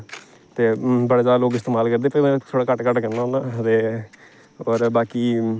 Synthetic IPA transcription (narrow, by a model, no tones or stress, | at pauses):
t̪eːbəɽeːd͡ʒaːd̪aːloːɡɪst̪eːmaːlkəɾd̪eːpəm̃ːt̪ʰoːɽaːkəʈkəʈkənnanãːt̪eː | oːɾbaːkiː